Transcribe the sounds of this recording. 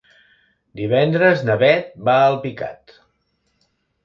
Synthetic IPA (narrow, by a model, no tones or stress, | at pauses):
d̪iβɛnd̪ɾəznəβɛt̪̚baəlˠpika̰t̪